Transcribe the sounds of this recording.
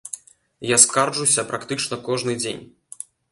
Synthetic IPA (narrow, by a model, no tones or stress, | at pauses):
jaskarʐuwsʲɐpɾʔakt̪ɨt͡ʂnɐkɔʐnɨd͡zʲḛnʲ